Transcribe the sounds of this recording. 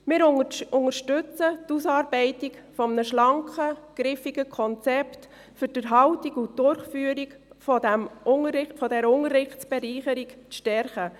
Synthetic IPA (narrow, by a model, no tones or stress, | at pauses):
mɪɾʊʊŋəɾʃtʉt͡sətusɑːɾb̥ɛɪtikfɔmnəʃlɑŋkχəɡ̥ɾɪfiɡəkʰɔnt͡sɛpt | fʏɾd̥əɾɦɑʊtikutdʊrχfyːəɾikfɔdæmʊŋəɪfɔdɛɾʊŋərːɪχt͡sb̥ɛɾiːχəɾikt͡sʃtɛɾχə